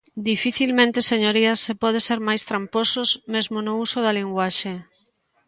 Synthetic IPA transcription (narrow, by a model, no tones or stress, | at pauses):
d̪ifiθilmẽnt̪eseɲoɾiɐsepɔð̞eseɾmajst̪ɾampososmezmonʊusoðɐliŋɡwaʃe